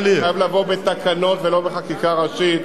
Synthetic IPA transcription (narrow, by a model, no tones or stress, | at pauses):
liajavlavo̞bet̪akano̞t̪velo̞be̞χakikaʁaʃit